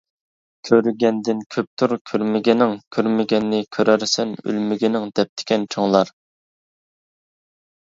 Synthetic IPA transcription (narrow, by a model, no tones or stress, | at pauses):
kʲʰøɾyɡʲɛnd̪ɪnkʲʰøp̚t̪ʰuɾkʲʰøɾmɪɡʲɛnɪŋkʲʰøɾmɪɡʲɛnːɪkʲʰøɾæɾsɛny̰lmɪɡʲɛnɪŋd̪ɛp̚t̪ʰɪ̥kʲʰɛnt͡ʃʰoŋlˠɑɾ